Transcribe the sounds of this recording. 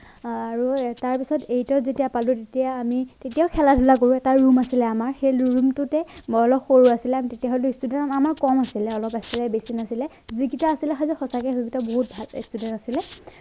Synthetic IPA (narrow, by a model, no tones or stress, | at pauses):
aɹutaɹpisɔtejtɔzetijapalutetijaːmitetijaʊkʰɛladʱulakoɹuɛtaɹumasilɛamaɹxejluɹumtʊtɛmɔlɔpxoɹuasilɛamitetijaɦoltʊistudɛnamamaɹkɔmasilɛɔlɔpastɛlabesinasilɛ | ziɡitɔasilɛxazɔxɔsakɛxubitɔboɦut̚bʱalḭstudɛntasilɛ